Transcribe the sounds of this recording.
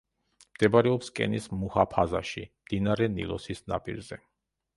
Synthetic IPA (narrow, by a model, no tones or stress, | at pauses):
md̪̥ɛbɾɛɔpskʼɛ̰nismuhapʰaza̰ʃimd̪̥inaɾɛnḭlˠɔ̰sisna̰pʼḭɾzɛ